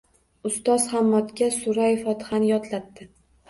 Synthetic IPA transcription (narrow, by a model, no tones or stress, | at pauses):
ʊst̪ɒzχamːɒt̪kʲasʊɾafɒt̪hanjɒt̪ʰlat̪ːɪ